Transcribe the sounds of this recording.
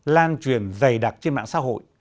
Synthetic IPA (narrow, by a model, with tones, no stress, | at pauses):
laː˧nt͡ɕwi˨˩ənzə˨˩jɗa˨˩t̚t͡ɕe˧nɓa̰ː˧˨ŋsa̰˧˥ɦo̰˧˨j